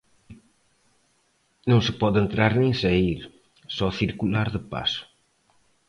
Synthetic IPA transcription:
nɐ̃w̃sɨpɔðent̪ɾaɾnẽj̃sɐiɾ | sɔθiɾkulaɾðəpa̰sʊ̥

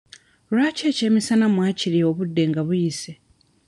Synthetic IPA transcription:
laːceːcemisanamwaciɾioβudːe̞ŋɡaβujise

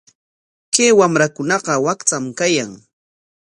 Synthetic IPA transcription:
keːwamɾakʊnɑɢɑwakt͡samkajaŋ

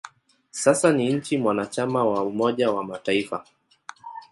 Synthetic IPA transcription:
sasaniɲ̩t͡ʃimwanat͡ʃamawaumɔʄawamataifa̰

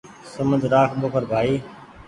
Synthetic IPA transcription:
səməd͡ʒɾaːkʰɓʊkʰəɾbʱaːiː

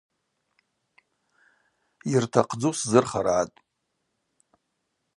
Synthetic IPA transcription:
irtʰaqʰd͡zuszɨrχaɾaːtʼ

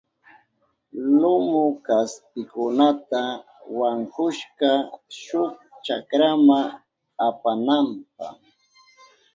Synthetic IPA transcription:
lʊmʊkaspɪkʊnat̪a | waŋkʊʃkaʃʊk̚t͡ʃakɾama | apanamp̚a̰χ

